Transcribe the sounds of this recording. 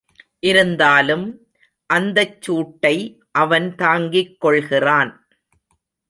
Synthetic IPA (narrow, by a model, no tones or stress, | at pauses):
ʔɪɾɯnd̪aːlɯm | ʔɐnd̪ɐt͡ʃːuːʈːɐɪ | ʔɐʋɐnt̪aːŋɡɪkːɔɭɣɪraːn